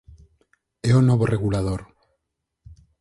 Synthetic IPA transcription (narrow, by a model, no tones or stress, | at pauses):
eonoβoreɣulað̞oɾ